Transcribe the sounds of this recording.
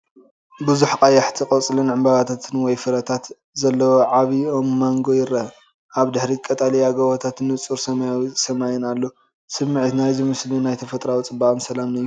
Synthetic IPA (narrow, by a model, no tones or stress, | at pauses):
bɨzuħkʼajːaħt̪ʰiqʼɐt͡sʼlɨnʕɨmbaβat̪ʰat̪ʰɨnwɔjfɨɾɐt̪ʰat̪ | zɐlːɐwoʕaβiomːaŋɡo̞jɪrɐ | ʔaβd̪ɨħɾikʼɐt̪ʼalijaɡɐβot̪ʰat̪nɨt͡sʼuɾsɐmsɐmajɛnalːo | sɨmːɨʕt̪najzɨmɨslinajt̪ʰɐfɐt̪ʼɾawit͡sʼɨbaʔʼmsɐlamnɐjːu